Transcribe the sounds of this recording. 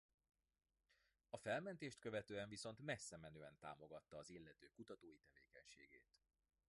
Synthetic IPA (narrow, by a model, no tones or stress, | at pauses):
ɒfɛlmɛnt̪eːʃt̪̚kø̞vɛt̪øːɛɱviso̞nt̪mɛsːɛmɛnøːɛnt̪a̰ːmo̞ɡɒt̪ːɒːzilːɛt̪øːkut̪ɒt̪oːjit̪ɛveːkɛɲʃḛːɡḛːt̪